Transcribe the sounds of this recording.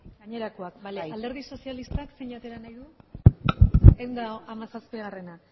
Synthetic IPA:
ɡaɲe̞ɾakoak̚baald̪e̞ɾð̞iso̞sialist̪akseɲat̪e̞ɾanajðu | ewnd̪aamasaspiɣare̞na

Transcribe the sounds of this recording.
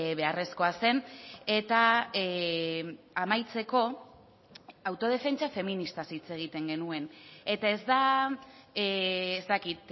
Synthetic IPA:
βe̞are̞sko̞ase̞ne̞t̪a | amajt͡se̞ko̞ | awt̪o̞ð̞e̞fe̞nt͡ʃafe̞minist̪asijt͡se̞ɣ̞it̪e̞ŋɡe̞nue̞ne̞t̪ae̞zd̪a | ezt̪akit̪

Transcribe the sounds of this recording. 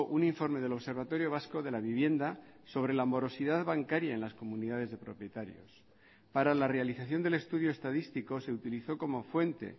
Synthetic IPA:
ʔuniɱfo̞ɾme̞ðe̞lo̞βse̞ɾβ̞at̪o̞ɾjo̞β̞asko̞ðe̞laβ̞iβje̞nd̪aso̞β̞ɾe̞lamo̞ɾo̞siðaðβaŋkaɾjae̞nlasko̞muniðað̞e̞zðe̞pɾo̞pje̞t̪aɾjo̞̰s | paɾalare̞aliθaθjo̞nd̪e̞le̞st̪uðjoest̪aðist̪iko̞se̞ut̪iliθo̞ko̞mo̞fwe̞nt̪e̞̰

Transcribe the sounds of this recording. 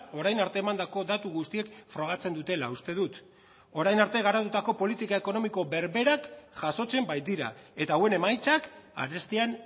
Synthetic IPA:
o̞ɾajnaɾt̪e̞ːmand̪ako̞d̪at̪uɣust̪ie̞kfɾo̞ɣ̞at͡se̞nd̪ut̪e̞la̰ust̪e̞ðut̪ | o̞ɾajnaɾt̪e̞ɣ̞aɾat̪ut̪ako̞po̞lit̪ikae̞ko̞no̞miko̞βe̞ɾβe̞ɾakʝaso̞t͡se̞mbajt̪̚d̪iɾa̰e̞t̪awe̞ne̞majt͡saka̰ɾe̞st̪ian

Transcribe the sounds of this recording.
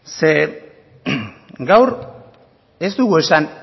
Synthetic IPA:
se̞ | ɡawɾ | e̞st̪uɣue̞san

